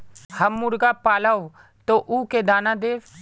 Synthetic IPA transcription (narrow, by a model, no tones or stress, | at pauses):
hɐmːʊɾɡapaːlaw | t̪oʔuːked̪aːnad̪eːʋ